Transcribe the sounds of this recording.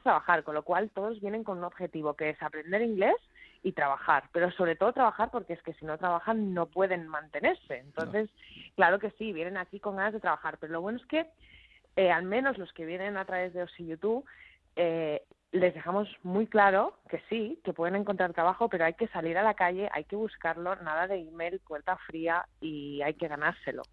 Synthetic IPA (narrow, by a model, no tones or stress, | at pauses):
t̪ɾaβaxaɾko̞nlo̞kwalt̪o̞ð̞o̞zβje̞ne̞ŋko̞nuno̞βxe̞t̪iβ̞o̞ke̞esapɾe̞nd̪e̞ɾiŋɡle̞sit̪ɾaβaxaɾpe̞ɾo̞so̞βɾe̞t̪o̞ð̞o̞t̪ɾaβaxaɾpo̞ɾkeeske̞sino̞t̪ɾaβ̞axanːo̞pwe̞ð̞e̞nmãnt̪e̞ne̞ɾse̞ːnt̪o̞nθe̞sklaɾo̞ke̞siβje̞nẽ̞nakiko̞ŋɡanazð̞e̞t̪ɾaβaxaɾpe̞ɾo̞loβwe̞noe̞ske̞ | ealmẽ̞no̞zlo̞ske̞βje̞nẽ̞nat̪ɾaβe̞zðe̞o̞siʝut̪uβ | e | le̞zðexamo̞zmujklaɾo̞ke̞sike̞pwe̞ðe̞neŋko̞nt̪ɾaɾt̪ɾaβaxo̞pe̞ɾo̞ajke̞saliɾalakaʝe̞ʔa̰jke̞βuskaɾlo̞nað̞aðe̞ime̞jlpwe̞ɾt̪afɾiaiajke̞ɣ̞anaɾse̞lo̞̰